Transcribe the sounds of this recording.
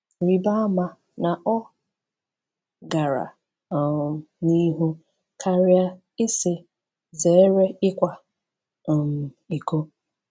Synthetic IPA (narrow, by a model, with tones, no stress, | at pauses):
ɾi˨ba˦ma˨ | na˨ʔɔ˦ | ɡa˨ɾa̰˨ | ni˦ɦu˦ | kʰa˦ɾɪ˦a˦ | ɪ˦sɪ˨ | ze˨˦ɾe˦ɪ˦kʷa˨ | m˨ | i˨ko˦